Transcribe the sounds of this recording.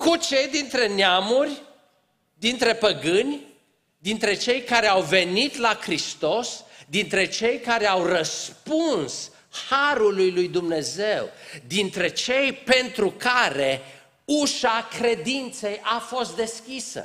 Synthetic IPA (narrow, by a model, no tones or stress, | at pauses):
kut͡ʃe̞jd̪int̪ɾe̞neamurʲ | d̪int̪ɾe̞pəɡɨnʲ | d̪int̪ɾe̞t͡ʃe̞jkaɾe̞awve̞nit̪lakɾist̪o̞sd̪int̪ɾe̞t͡ʃe̞jkaɾe̞awrəspuns | haɾulujlujd̪umne̞ze̞wd̪int̪ɾe̞t͡ʃe̞jpe̞nt̪ɾukaɾe̞ | uʃakɾe̞d̪int̪se̞jʔafo̞st̪̚d̪e̞skʲisə̰